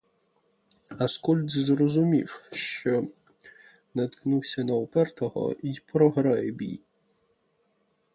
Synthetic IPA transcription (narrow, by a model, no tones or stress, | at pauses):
ɐskulʲd̪zɾɔzʊmʲḭwʃt͡ʃɔ | nɐt̪knuwsʲɐnɐwpɛrt̪ɔɦɔ̰ipɾɔɦɾɑjɛbʲḭj